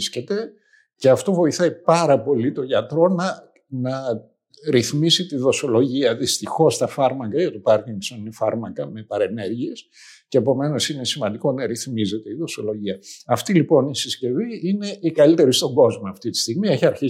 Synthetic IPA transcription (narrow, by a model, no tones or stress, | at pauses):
sce̞t̪e̞ | ceɐft̪o̞vo̞iθɐipɐɾɐpo̞lit̪o̞ʝɐt̪ɾo̞nɐ | nɐ | ɾiθmisit̪iðo̞so̞lo̞ʝiɐðist̪ixo̞st̪ɐfɐɾmɐkɐʝɐt̪upɐɾciŋɡsoninefɐɾmɐkɐme̞pɐɾe̞ne̞ɾʝie̞s | ce̞ːpo̞me̞no̞sine̞simɐnd̪iko̞nɐɾiθmize̞t̪eiðo̞so̞lo̞ʝiɐɐft̪ilipo̞nisisce̞viine̞ikɐlit̪e̞ɾist̪o̞ŋɡo̞zmoɐft̪it̪i̥st̪iɣmie̞çiɐɾçi